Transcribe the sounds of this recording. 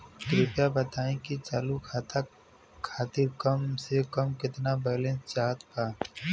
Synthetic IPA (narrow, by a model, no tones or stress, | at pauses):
kɾiːpjabɐt̪aːẽkit͡ʃaːlukʰaːt̪a | kʰaːt̪ɪɾkɐmsekəmkɪt̪nabɛːlẽːnt͡ʃaːt̪pa